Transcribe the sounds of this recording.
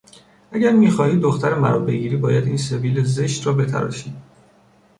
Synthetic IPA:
ʔæɟæɾmiːxɒːhiːd̪oxt̪æɾemæ̰ɾɒ̰be̞ɟiːɾiːbɒːjæd̪iːnse̞viːlezeʃt̪rɒːbe̞t̪ʰæ̰ɾɒ̰ːʃiː

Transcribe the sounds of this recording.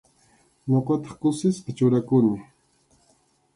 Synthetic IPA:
ɲoqɑt̪ɑ̥χkʊsɪspɪt͡ʃʊɾakʊnɪ

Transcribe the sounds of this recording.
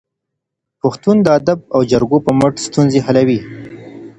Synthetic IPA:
paxt̪und̪əad̪ab̚awd͡ʒaɾɡopəməʈst̪unzeɦalawi

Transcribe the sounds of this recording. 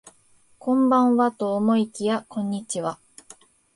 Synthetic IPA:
kõ̞mbãɰ̃βat̪o̞ːmo̞ikʲijakõ̞ɲ̟ːit͡ɕiβa

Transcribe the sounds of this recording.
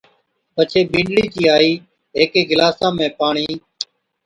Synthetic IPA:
pət͡ʃʰeːbĩːɳɖɽiːt͡ʃiːaːiː | ɦeːkeːɡɪlaːsãːmẽːpaːɳiː

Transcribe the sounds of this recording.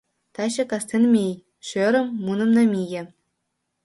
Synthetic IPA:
t̪ɑɕɘ̆kɑst̪ʲenʲmʲej | ʂøɾʲɤ̆mːunɤ̆mnɤ̆mʲijʲɘ̆

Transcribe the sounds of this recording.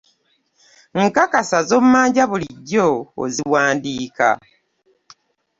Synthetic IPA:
ŋ̩kakasazo̞mmːaːɲɟaβuliɟːo̰ːziwaːndiːka̰

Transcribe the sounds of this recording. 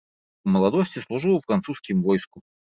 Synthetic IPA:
məlˠɐd̪osʲtʲɪslˠʊʐɨlˠəfɾɐnt̪suskʲɪmvojskʊ

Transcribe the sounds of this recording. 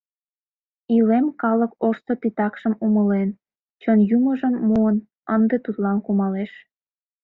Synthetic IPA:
ilemkɑləkoʃt̪ot̪it̪ɑkʃəmuməlen | t͡ɕənjuməʒəmːuən | ənd̪et̪ut̪lɑnkumɑleʃ

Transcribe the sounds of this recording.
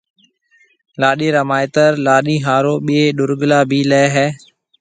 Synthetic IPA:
laːɗeːɾəmaːɪt̪əɾlaːɗĩːɦaːɾoːɓɪeːɗʊɾɠlaːbʱiːlɛːɦɛː

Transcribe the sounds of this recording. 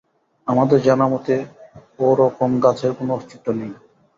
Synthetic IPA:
amad̪eɾd͡ʑanamot̪eoɾɔkomɡat͡ɕʰeɾkonoost̪it̪ːonej

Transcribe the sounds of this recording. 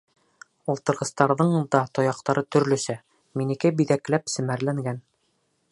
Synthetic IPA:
ulˠt̪ɤ̆ɾʁɤ̆st̪ɑɾðɤɴd̪ɑt̪ŏjɑqt̪ɑɾɤt̪ɵ̆ɾlɵ̆sæ | minɘ̆kɘbiðæklæpsɘ̆mæɾlæŋɡæn

